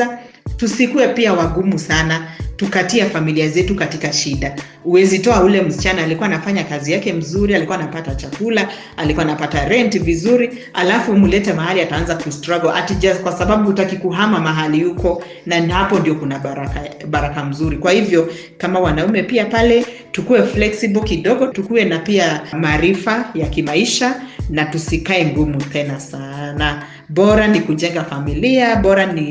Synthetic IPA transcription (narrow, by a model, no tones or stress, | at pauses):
a | tusikuɛpiawaɠumusanatukatiafamiliazɛtukatikaʃiɗa | uwɛzitɔaulɛm̩si̥t͡ʃanaːlikuwanafaɲakazijakɛm̩zuɾialikuwanapatat͡ʃakula | alikuaːnapataɾɛntivizuɾi | alafumulɛtɛmaɦaliataanzakustɾaɡɔʔa̰tiʄakwasaɓaɓuutakikuɦamamaɦalijukɔ | nanhapɔndiɔkunaaɾakaɓaɾakam̩zuɾikwahivjɔ | kamawanaumɛpiapalɛ | tukuɛflɛksibɔkiɗɔɡɔtukuɛnapiamaːɾifajakimaiʃanatusikaɛŋɡumut̪ɛnasana | bɔɾanikuʄɛŋɡafamiliaɓɔɾani